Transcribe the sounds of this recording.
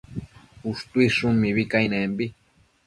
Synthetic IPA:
uʂt̪uiʂumːiβikajnẽmbi

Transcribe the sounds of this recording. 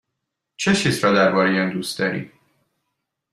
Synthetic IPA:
t͡ʃʰet͡ʃiːsɾɒd̪æɾbɒːɾejænd̪uːst̪̚d̪ɒɾḭː

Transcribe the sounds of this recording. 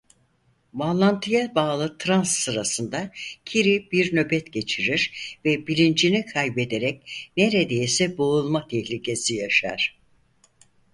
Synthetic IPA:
vanlˠant̪ʰɯjabaːlˠɯt̪ʰɾansːɯɾasɯnd̪acʰiɾibiɾnø̞bɛt̪ɟe̞t͡ʃʰiɾiɾvɛbilʲind͡ʒinikʰajbe̞d̪e̞ɾɛc̚ne̞ɾed̪e̞jsɛboulˠmat̪ʰɛçlʲicʰe̞sijaʃa̰ɾ̥

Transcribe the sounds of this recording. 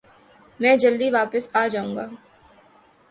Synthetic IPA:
mɛ̃ːd͡ʒɐld̪iʋaːpəsaːd͡ʒaːũŋɡaː

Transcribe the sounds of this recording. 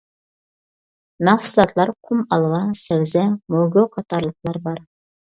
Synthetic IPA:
mæχsulˠɑt̪ʰlˠɑɾqʰumɑlˠwɑsæwzɛmoɡoqʰɑt̪ɑɾlˠəqlˠɑɾbɑɾ

